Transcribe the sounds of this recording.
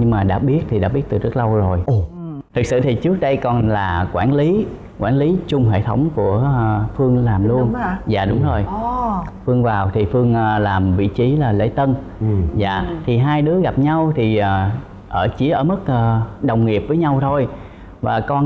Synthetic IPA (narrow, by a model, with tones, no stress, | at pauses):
ɲɨ˧ŋmaː˨˩ɗa̰ː˧˥ɓi˦˥ət̚t̪ʰi˨˩ɗa̰ː˧˥ɓi˦˥ət̚t̪ɨ˨˩zə˦˥t̚lə˧wzo˨˩jt̪ʰɨ˨˩k̚sɨ̰˧˨t̪ʰi˨˩t͡ɕɨ˦˥k̚ɗə˧jkɔ˨˩nlaː˨˩kwaː˧˩nli˨˦ | kwaː˧˩nli˨˦t͡ɕʊ˧ŋ͡mɦḛ˧˨t̪ʰə˨˦wŋ͡mku˧˩əfɨ˧əŋlaː˨˩mlu˧ənza̰ː˧˨ɗʊ˨˦ŋ͡mzo˧˩j | fɨ˧əŋvaː˨˩wt̪ʰi˨˩fɨ˧əŋː˧laː˨˩mvḭ˧˨t͡ɕi˨˦laː˨˩lḛ˧˥t̪ə˧n | za̰ː˧˨t̪ʰi˨˩ɦaː˧jɗɨ˨˦əɣa˨˩p̚ɲa˧wt̪ʰi˨˩əː˨˩ | ʔəː˧˩t͡ɕi˨˦əʔəː˧˩mə˦˥t̚ʔəː˧ɗə˨˩wŋ͡mŋi˨˩əp̚vəː˨˦jɲa˧wt̪ʰo˧j | vaː˨˩kɔ˧n